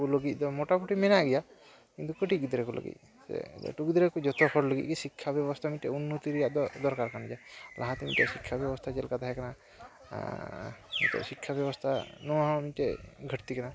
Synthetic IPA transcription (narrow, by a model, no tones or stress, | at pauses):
uloɡit̪̚ˀd̪ɔmɔʈapuʈimɛnaɡija | kint̪ukəʈiɡid̪ɾekulo̰ɡḭt̪̚ | sɛ̰ʈuɡid̪ɾekud͡ʒɔt̪ɔhʰɔɾləɡḭc̪̚ˀkisikʰːabjɔbɔst̪ʰamit̪ʈɛunːut̪iɾijaʔd̪ɔɾkaɾkand͡ʒalʔaɦãt̪imit̪ɔʔsikʰːabjɛbɔst̪ʰad͡ʒɛlkat̪aɦɛkana | mḭt̪ɔ̰ʔsikʰːabjɔbɔst̪ʰanɔaɦãmiʈeɡʱəʈt̪ikana